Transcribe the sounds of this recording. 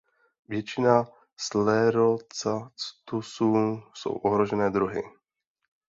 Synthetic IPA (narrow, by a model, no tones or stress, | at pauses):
vjɛt͡ʃɪna | slɛɾot͡sat͡st̪usuːso̰wʔoɦɾo̞ʒɛnɛːd̪ɾuɦɪ̰